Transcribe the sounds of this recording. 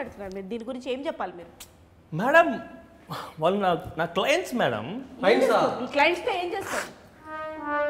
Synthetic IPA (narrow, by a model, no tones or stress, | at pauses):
ɐɽut̪unːaːɾumiːɾud̪iːniɡuɾiɲt͡ʃie̞ːmt͡ʃɛpːaːlimiːɾu | mɛːɽɐm | ʋaːlːunaːnaːklajɐɳʈsmɛːɽɐ̰mɐjnsaiːklajəɳʈseeːmd͡ʒeːst̪aːɾu